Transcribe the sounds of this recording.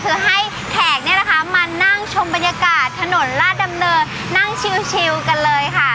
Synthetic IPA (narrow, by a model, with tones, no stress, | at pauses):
t̪ʰɯː˩˦ɦa˥˩j | t̪ʰɛː˨˩k̚ni˥˩ɐla˩kʰa˦˥maː˧na˥˩ŋt͡ɕʰo˧mba˧njaː˧kaː˨˩t̪ʰːa˧no˨˩˦nlaː˥˩da˧mnɤː˧ | na˥˩ŋt͡ɕʰi˧wt͡ɕʰi˧wka˧nlɤː˧jkʰa˥˩